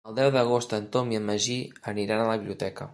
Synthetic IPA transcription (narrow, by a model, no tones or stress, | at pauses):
əlˠd̪ɛwðəɣ̞ost̪ənt̪omiəmːəʒiəniɾanələβiβliut̪ɛkə